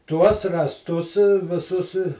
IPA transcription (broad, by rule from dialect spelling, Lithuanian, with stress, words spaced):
tuɔs rɑːsˈtʊs ʋʲɪˈsʊs